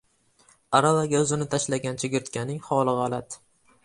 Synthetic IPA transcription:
aɾalaɡʲaʊzɪnɪt̪ʰaʃlaɡʲant͡ʃʰɪɡʲɪɾt̪kʲʰanɪŋχɒlˠɨʁalat̪

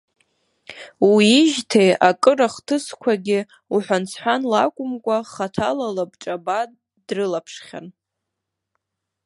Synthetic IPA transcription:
wiːʒtʰejakʼɨɾaχtʰɨskʷʰaɡʲɪ | uħʷant͡sʰħʷanlakʷʼʊmkʷʼaχatʰalalabʈ͡ʂʼaba | drɨlapʰʂχʲa̰n

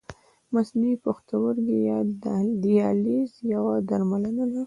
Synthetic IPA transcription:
masniipaxt̪awəɾɡijd̪ijɑlizjawad̪aɾmalanad̪a

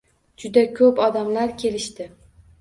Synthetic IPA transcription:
d͡ʒʊd̪akʲʰɵpɒd̪amlaɾkʲʰe̞lɪʃt̪ɪ

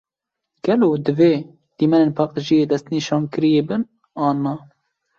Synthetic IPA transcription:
ɡ̥ɛloːd̪ɨve | d̪̥iːmɛnenpʰɑːqʼt̪ɨʒijeːd̪ɛst̪niʃɑːnkɨɾijeːbɨn | ɑːnɑ

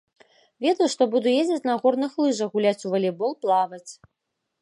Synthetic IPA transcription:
vʲed̪ɐjʂt̪ɔbud̪ujezʲd͡zʲɪt͡sʲnɐɣɔrnɨxlˠɨʐɐɣulʲat͡sʲuvɐlʲɛbɔlˠplˠavɐt͡sʲ

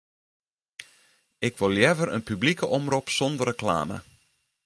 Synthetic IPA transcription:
ɪkʋolˠjɛvəɾə̰npyblikəʔɔmrupsɔndərəkla̰ːmə̰

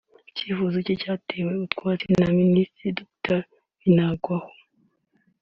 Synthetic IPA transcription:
ciːfuzicocaːtʰe̞we̞utkwaːt͡senaministɾidoktaɾ | inaɡwaho̥

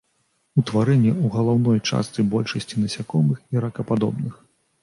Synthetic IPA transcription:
ut̪vaɾɛnʲːɛuɣɐlˠawn̪ɔjt͡ʂa̰st̪sɨbɔlʲʂɐsʲt͡sʲinɐsʲakɔmɨxiɾɐkɐpad̪ɔ̰bnɨx

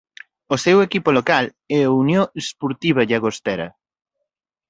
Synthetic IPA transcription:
osɛwekipolokal | ɛaunjoespoɾt̪iβ̞ɐʎaɣost̪ɛɾɐ̰

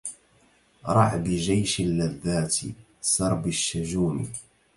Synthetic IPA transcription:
ɾˤɑʕbɪd͡ʒajʃalːaðːaːt̪ | sɑɾˤbaʃːad͡ʒuːm̰

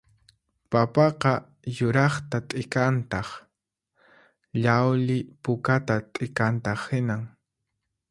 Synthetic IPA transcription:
papɑqɑ | jʊɾɑχt̪at̪ʼɪkant̪ɑχ | ʎawlɪpʊkat̪at̪ʼɪkant̪ɑχhɪnaŋ

